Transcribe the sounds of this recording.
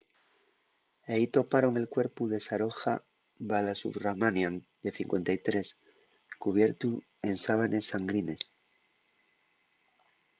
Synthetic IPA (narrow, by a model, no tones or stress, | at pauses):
ait̪o̞paɾo̞ŋe̞lkwe̞ɾpuðe̞saɾo̞xa̰ | balasṵβramanjaŋd̪e̞θiŋkwe̞nt̪ajt̪ɾe̞s | kuβ̞jeɾt̪u | e̞nsaβane̞sːaŋɡɾine̞s